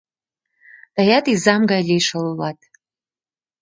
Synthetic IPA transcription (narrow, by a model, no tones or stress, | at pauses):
d̥ajatʼizamɡalʲejʂallatʼ